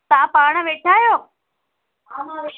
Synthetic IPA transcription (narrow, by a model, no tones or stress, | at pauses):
t̪ãːpaːɽ̃̆ʋeːʈʰaːjoː